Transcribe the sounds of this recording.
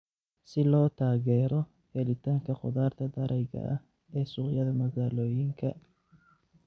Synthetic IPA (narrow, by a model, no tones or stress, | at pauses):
sɪlɔːt̪ʰaːɣɛːɾɔ | hɛlɪt̪ʰaːŋkʰɐqʊ̰ðaːrt̪ʰɐd̪ɐɾʔɛjɣɐ̰ʔɐ | ɛːsʊʁjɐðɐmɐɣaːlɔːjɪŋkʰɐ